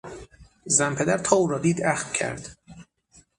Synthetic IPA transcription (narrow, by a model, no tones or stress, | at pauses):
zæmpʰe̞d̪æɾt̪ʰɒːuːɾɒːd̪iːd̪æxv̥cʰæ̰ɾd̪̥